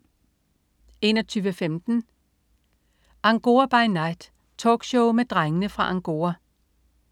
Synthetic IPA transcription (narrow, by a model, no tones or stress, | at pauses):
e̝nɒt͡sʰyːʋəfemd̥n̩ | ʔɑ̈ŋɡ̥o̝ːɐb̥ɑ̈ɪnɑ̈ɪd̥ | t͡sʰɒːɡ̥ɕɔʊmed̥ʁaŋənəfʁɑ̈ʔɑŋɡ̥o̝̰ɐ